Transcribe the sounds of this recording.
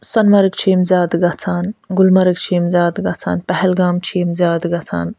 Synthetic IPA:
sɐnmɐɾɨkt͡ʃʰiːmzʲjaːd̪ɡɐt͡sʰaːnɡʊlmɐɾɨkt͡ʃʰiːmzʲjaːd̪ɡɐt͡sʰa̰ːnpɛɦɛlɡaːmt͡ʃʰiːmzʲjaːd̪ɡɐt͡sʰa̰ːn

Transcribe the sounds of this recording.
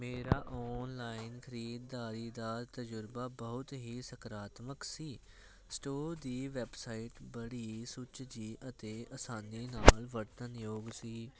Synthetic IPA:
meːɾaːʔɔːnlaːɪnkʰəɾiːd̪ːaːɾiːd̪aːt̪əd͡ʒʊɾbaːbəɦʊt̪ɦiːsəkɾaːt̪məksiː | sʈoːɾd̪iːʋɛːbsaːɪʈbəɽiːsʊt͡ʃd͡ʒiːʔət̪eːʔəsaːniːnaːlʋəɾt̪ənjoːɡsiː

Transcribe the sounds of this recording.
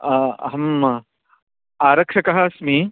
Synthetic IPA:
ɦɐm | aːɾɐkʂɐkɐɦasmiː

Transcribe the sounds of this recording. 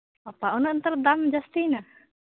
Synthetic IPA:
apaʔunənt̪ərd̪amd͡ʒast̪ina

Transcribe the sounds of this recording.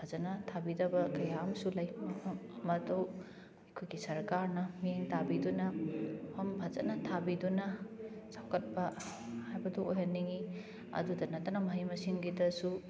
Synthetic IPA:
bʰʱɐzɐnɐtʰabidɐbɐkɐjamsulɐjpʰmpʰɐmɐmɐtɐw | ɐjkʰojɡisɐɾkaɾnɐmijeŋtabidunɐpʰɐmbʱɐzɐtnɐtʰabidunɐ | sawkɐt̚pɐhajbɐduojɦɐnːiŋi | ɐ̰dudɐnɐtɐnɐmɐɦimɐsiŋɡidɐsu

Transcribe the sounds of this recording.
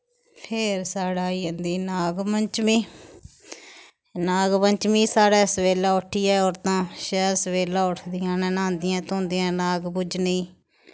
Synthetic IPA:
pʰeːɾsaːɽaːiːənd̪iːnaːɡməɲt͡ʃmĩː | naːɡməɲt͡ʃmĩːsaːɽɛːsəʋeːlaːʊʈʰːiːɛːɔːɾt̪ãːʃɛːɾsəʋeːlaːʊʈʰd̪ɪjãːnɛːnãːnd̪ɪjãːt̪õːnd̪ɪjãːnaːɡbʊd͡ʒnəĩː

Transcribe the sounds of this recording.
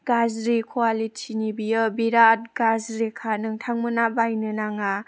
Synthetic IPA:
ɡazɾikʰualitʰinibijɯbiɾat̚ɡazɾikʰanɯŋtʰaŋmɯnabajnɯnaŋa

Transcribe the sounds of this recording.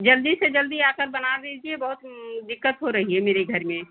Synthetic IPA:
d͡ʒəld̪ised͡ʒəld̪iaːkəɾbənad̪id͡ʒiebɐɦʊt̪d̪ɪkːət̪ɦoɾɐɦiɦɛmeːɾeɡʱəɾmẽ

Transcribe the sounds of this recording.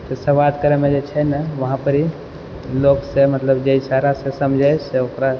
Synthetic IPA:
t̪osəʋad̪kəɾemẽd͡ʒet͡ʃʰɛnaʋəɦãpəɾi | loɡsemət̪ləbd͡ʒəisaɾasesəmd͡ʒʱajseokɾa

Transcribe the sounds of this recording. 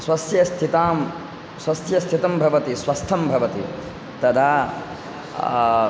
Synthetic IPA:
swɐsjɐst̪ʰit̪aːm | swɐsjɐst̪ʰit̪ɐmbʱɐʋɐt̪isʋɐst̪ʰːɐmbʱɐʋɐt̪ḭ | t̪ɐt̪ʰaː

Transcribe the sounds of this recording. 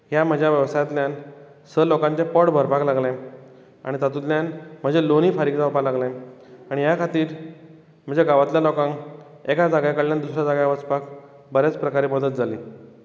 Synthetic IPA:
ɦjam̤əd͡ʑʱjaʋjəʋsajt̪ljan | səlokãɲt͡ɕepɔɽbʱəɾpaklaɡlã | a̰ɽ̃it̪at̪ut̪ljãnm̤əd͡ʑeloniːfaɾikt͡sapalaɡlãaɽ̃ijakʰat̪iːɾ | m̤ə̃d͡ʑeɡaʋat̪ljalokãŋk | ekad͡zaɡjakəɽljand̪usɾjad͡zaɡjʋət͡spak | bəɾat͡spɾəkaɾiːpəd̪ət̪̚d͡zʱaliː

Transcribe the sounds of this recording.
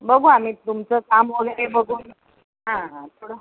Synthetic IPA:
bəɡʱuamiːt̪umt͡səkamʋəɡəlebəɡʱuːn | ɦãɦãt̪ʰoɽə

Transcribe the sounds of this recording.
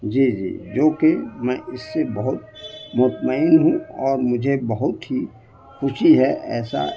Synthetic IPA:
d͡ʒiːd͡ʒḭːd͡ʒoːkemɛ̃ːɪsːebɐɦʊt̪mʊt̪məɪnɦũɔːɾmʊd͡ʒʱebɐɦʊt̪ɦi | xʊʃiɦɛʔɛːsa̰

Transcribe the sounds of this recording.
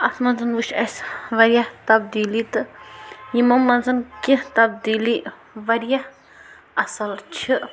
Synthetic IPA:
ɐt̪ʰmɐnzɐnʋuʃɐ̰sʋɐɾjɐht̪ɐb̚d̪iːlit̪ɨjimɐmːɐnzɐnkit̪ɐbd̪iːli | ʋɐɾijah | ɐsɐlt͡ʃʰiʔ

